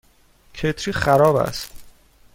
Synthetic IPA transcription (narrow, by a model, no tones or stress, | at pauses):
cʰet̪ʰɾiːχæɾɒːbæ̰st̪